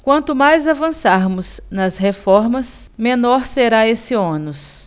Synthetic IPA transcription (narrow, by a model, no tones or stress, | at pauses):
kwɐ̃nt̪ʊmajzavɐ̃saɾmʊsnɐsɦefɔɾmɐs | mẽnɔɾseɾaesɪõnʊs